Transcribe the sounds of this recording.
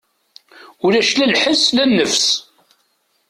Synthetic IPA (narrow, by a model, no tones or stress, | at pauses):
ʊlæʃlælħəslænːəfs